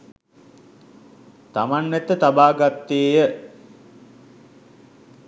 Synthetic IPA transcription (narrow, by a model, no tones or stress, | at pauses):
t̪amanːɛt̪ːət̪abaːɡat̪ːeːjə